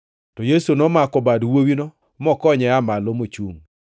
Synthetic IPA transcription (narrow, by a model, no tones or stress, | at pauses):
tɔjesunɔmakɔbadwowinɔ | mɔkɔɲɛamalomot͡ʃuŋ